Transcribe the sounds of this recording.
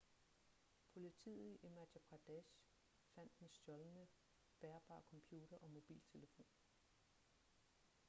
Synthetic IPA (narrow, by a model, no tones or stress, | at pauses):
pʰo̝lit͡sʰḭððˠiʔemædæb̥ʰʁɑd̥eɕ | fæn̰d̥ensd̥jɒ̽lnə | b̥eɐb̥ɑ̰̈ːkʰɒ̽mpʰjuːd̥ɐʔɒ̽mo̝b̥ḭːlt͡sʰe̝ləfo̝̰ːn